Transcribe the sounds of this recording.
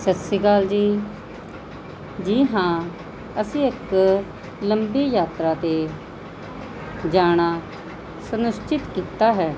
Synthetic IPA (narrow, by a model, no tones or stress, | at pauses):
sətsiːkaːld͡ʒiː | d͡ʒiːɦãː | əsĩːɪk | ləmbiːjaːt̪ɾaːt̪e | d͡ʒaːɽ̃aː | sənʊst͡ʃɪt̪kiːt̪aːɦɛː